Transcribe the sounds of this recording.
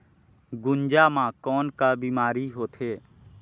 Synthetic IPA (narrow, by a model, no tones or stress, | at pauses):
ɡʊ̃nd͡ʒaːmãkɔːnkabiːmaːɾiɦoːt̪ʰeː